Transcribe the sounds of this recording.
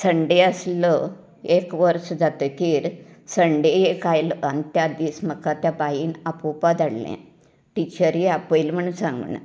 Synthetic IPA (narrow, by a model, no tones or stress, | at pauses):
səɳɖeəslə | ekʋəɾsd͡zat̪əkiːɾsəɳɖeekajlənt̪jad̪iːsməkːat̪japaɦiːnapupad̪aɽlḛ̃ | ʈit͡ɕəɾiapəjlm̤əɳunsãŋɡɳə̰